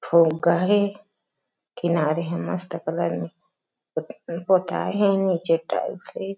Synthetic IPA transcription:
fʰoɡaɦe | kinaːɾeɦɛ̃mɐst̪əkələɾmẽ | pot̪a̰ːeɦɛ̃niːt͡ʃeʈa̰ːɪbse

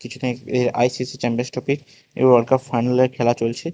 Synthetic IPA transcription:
kit͡ɕʰud̪eeɾa̰jsisit͡ɕempẽnsʈopiɾ | ḛbɔɽkafajnaleɾkʰɛlat͡ɕolt͡ɕʰe

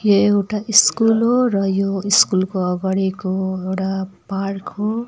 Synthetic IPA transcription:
joewʈaʔiskulɦorʌjoiskulkoʌɡaɽikoewʈaparkʰɦo

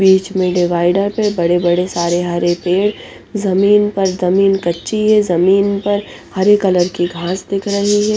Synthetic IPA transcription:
biːt͡ʃmẽɖɪʋaːɪɖəɾpebɐɽebɐɽesaːɾeɦaɾepeːɽ | zɐmiːnpɐɾzɐmiːnkɐtːʃiɦɛzɐmiːnpɐɾ | hɐɾekɐləɾkiɡʱãːsd̪ɪkʰɾɐɦiɦɛː

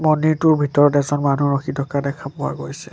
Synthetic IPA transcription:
mɔnitʊɹbʱitɔɹɔtɛzɔnmanuɹɔxʰidɔkadɛkʰapʊwa̰ɡojsɛ

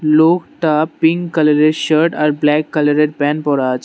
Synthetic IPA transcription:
loːkʈapːĩŋɡkɐləɾeɖʃəɾʈaːɾblɛkːɐləɾeɖ̚pɛ̃npɔɾad͡ʒ

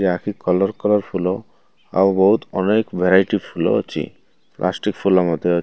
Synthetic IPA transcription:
akʰikɔlɔɾkɔlɔɾpʰulo | a̰wboɦut̪ɔnekbʱɛɾajʈifʰulo̰o̰t͡ɕʰḭ | plʔa̰sʈikfʰulamɔd̪ʱːeo

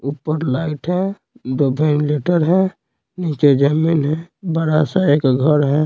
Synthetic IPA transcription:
upːəɾlaɪʈɦɛ̃ | d̪obʱənleʈəɾɦɛ̃ | nit͡ʃed͡ʒaminɦɛ̃bəɾasaekɡʱəɾɦɛ̃

